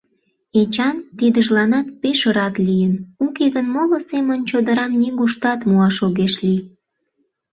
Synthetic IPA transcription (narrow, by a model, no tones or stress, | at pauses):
et͡ɕɑnt̪id̪əʒlɑnɑt̪̚peʃəɾɑt̪lijənukeɣənmolosemənt͡ɕod̪əɾɑmniɣuʃt̪ɑt̪muɑʃoɣeʃli